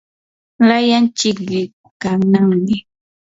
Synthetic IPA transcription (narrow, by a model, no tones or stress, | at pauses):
lajant͡ʃɪkʎɪ | kanaŋmɪ